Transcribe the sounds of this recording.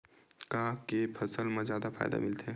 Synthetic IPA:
kakepʰɐsəlmãzjaːd̪afʰa̰ːjd̪a̰mɪlt̪ɦɛ̃ː

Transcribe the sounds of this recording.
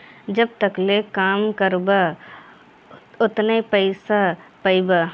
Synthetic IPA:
d͡ʒɐb̚t̪əklekaːmkəɾba | ʊt̪nepəɪsapɐɪbaː

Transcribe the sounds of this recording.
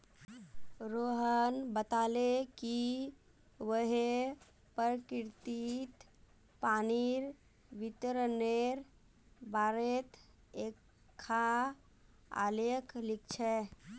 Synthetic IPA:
ɾoːɦənbət̪aːleki | ʋəɦe | pəɾkɪɾt̪it̪ | paːniɾ | ʋɪt̪ɾəneɾ | baːɾet̪ | ekʰː | a | a̰leklɪk̚t͡ʃʰɛ

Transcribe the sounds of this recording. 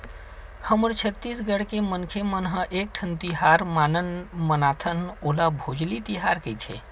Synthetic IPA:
həməɾt͡ʃʰət̪ːiːsɡəɽkemənkʰemənɦə̃ʔeːk̚ʈʰənt̪iɦaːɾmaːnənmənaːt̪ʰənoːlabʱoːd͡ʒlit̪iɦaːɾkəit̪ʰḛː

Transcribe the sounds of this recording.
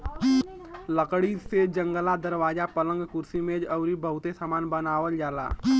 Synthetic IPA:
ləkɽised͡ʒə̃ŋɡəlad̪əɾwaːd͡ʒapələ̃ŋɡkʊɾsimẽd͡ʒɐʊɾibəɦʊt̪esamaːnbənaːwəld͡ʒaːla̰ː

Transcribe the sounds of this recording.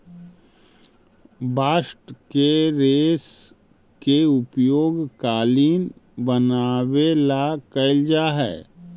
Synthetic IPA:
baːʃʈkeɾeːs | keʊpjoːɡkaːliːnbənaːwelakɐɪld͡ʒaɦɛ̰ː

